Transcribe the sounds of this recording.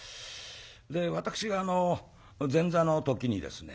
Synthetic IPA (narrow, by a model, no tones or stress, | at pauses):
d̪e̞βat̪akɯ̟̥ɕiɡaːno̞ | d͡zẽ̞nd͡zano̞t̪o̞kʲiɲ̟id̪e̞̰sɨnḛ